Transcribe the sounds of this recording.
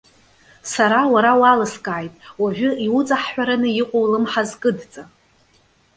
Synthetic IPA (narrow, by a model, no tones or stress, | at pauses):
saɾawaɾawalɨskʼaːjtʼwaʒᶣʷʊiʊt͡sʼaħħʷᶣaɾanɨjiqʷʼowlɨmħazkʼɨdt͡sʼa